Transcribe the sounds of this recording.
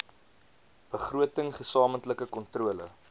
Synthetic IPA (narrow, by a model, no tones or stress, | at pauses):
b̥əχruətəŋχəsɑːməntləkəkɔntruələ̰